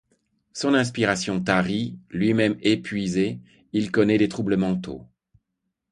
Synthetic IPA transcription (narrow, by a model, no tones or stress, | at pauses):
sɔ̃nɛ̃s̬piʁasjɔ̃t̪aʁilɥimɛmepɥize | ilkɔnɛd̪et̪χubləmɑ̃t̪o̰